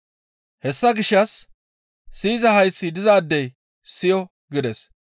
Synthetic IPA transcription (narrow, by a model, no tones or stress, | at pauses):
hɛsːɐɡɪʃːɐsː | iːzɐhɐjsːɪd̪ɪzaːd̪ːɛj | sɪjɔ | ɡɪd̪ɛs